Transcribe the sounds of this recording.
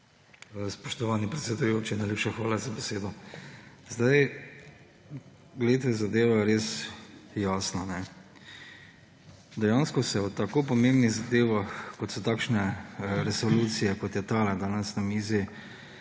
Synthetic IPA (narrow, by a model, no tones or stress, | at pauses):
spɔʃt̪ɔʋaːnipɾɛt̪sɛd̪ujoːt͡ʃinajleːpʃaxʋaːlazabɛseːd̪ɔ | zd̪aj | ɡleːt̪ɛzad̪eːʋajɛɾeːsjaːsnanɛ | d̪ɛjaːnskɔsɛwt̪akoːpɔmembniɣzad̪eːʋaxkɔt̪sɔt̪aːkʃnɛɾɛsɔluːt̪sijɛkɔt̪jɛt̪aːlɛd̪aːnɛsnamiːzi